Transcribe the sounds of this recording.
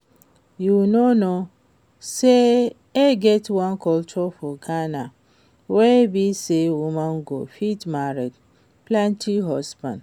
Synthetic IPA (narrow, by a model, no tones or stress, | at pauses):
junono | se | eɡɛtwãnkɔlt͡ʃɔfɔɡana | webisewumãn̩ɡo̰fitmaɾed | plãntʰiɦɔsbã̰n